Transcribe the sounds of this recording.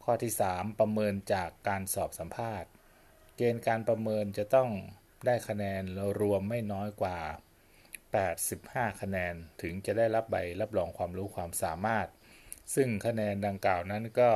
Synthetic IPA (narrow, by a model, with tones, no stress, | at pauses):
kʰɔː˥˩t̪ʰiː˥˩saː˩˦mpɾa˧mɤː˧nt͡ɕaː˨˩kːaː˧nsɔː˨˩p̚sa˩˦mpʰaː˥˩t̪̚ | keː˧nkaː˧npɾa˧mɤː˧nt͡ɕa˨˩t̪ɔ˥˩ŋ | daː˥˩jkʰa˧nɛː˧nlɛ˧˥wɾu˧əmːa˥˩jnɔː˦˥jkwaː˨˩ | pɛː˨˩t̪̚si˨˩p̚haː˥˩kʰa˧nɛː˧nt̪ʰɯ˩˦ŋt͡ɕa˨˩ʔdaː˥˩jɾa˦˥p̚ba̰˧jla˦˥p̚lɔː˧ŋkʰwaː˧mɾuː˦˥kʰwaː˧msaː˩˦maː˥˩t̪̚sɯ˥˩ŋkʰa˧nɛː˧nda˧ŋklaː˨˩wna˦˥nkɔː˥˩